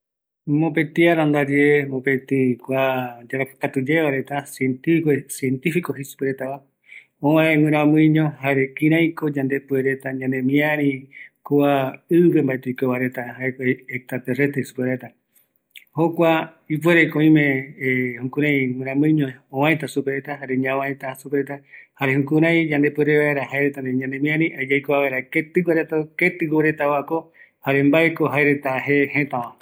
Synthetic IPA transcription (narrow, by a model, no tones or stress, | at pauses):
mõpet̪iaɾand̪ad͡ʒeemõpet̪ikʷad͡ʒaɾako̥kat̪ud͡ʒeβaɾe̞t̪asient̪iksient̪ifikohisu̥peɾet̪aβa | õãẽwɨ̃ɾ̃ãmɨ̃ɲõhaɾekĩɾ̃ãjkod͡ʒãnd̪e̞pueɾe̞t̪aɲãnẽmĩãɾ̃ĩkoaɨβembaʔet̪eikeβaɾe̞t̪aɦaekekt̪ɾat̪erest̪ehisu̥peɾet̪a | hokʷa | ip̬we̞ɾekoĩmẽhũkũɾ̃ãj̃mɨ̃ɾ̃ãmɨ̃ɲõõãẽt̪asupeɾet̪aɦaɾeɲãwãẽt̪asupeɾet̪ahaɾehũkũɾ̃ãj̃d͡ʒãnd̪e̞pweɾeβaeɾahajɾet̪and̪eɲãnd̪ẽmĩãɾĩʔad͡ʒajkoaβeɾaket̪ɨɡaɾet̪aket̪ɨɡoɾet̪awako | haɾembaekoɦaeɾe̞t̪aɦehẽt̪ãʋã